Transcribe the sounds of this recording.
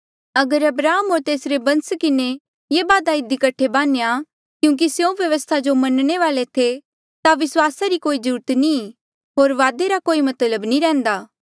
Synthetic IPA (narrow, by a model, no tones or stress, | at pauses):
ɐɡəɾɐbɾaːɦəmɦoːɾt̪eːsɾebɐ̃nskɪne | jeːbaːd̪aɪd̪ikɐʈʰebaːneja | kjũːk̬isjõʋjɐʋəst̪ʰad͡ʒomɐnɽ̃eʋaːlet̪ʰe | t̪aʋɪswaːsaɾikoːid͡ʒuːɾət̪ni | ɦoːɾʋaːd̪eɾakoːimɐt̪ləbnĩɾɛ̃ːnd̪aː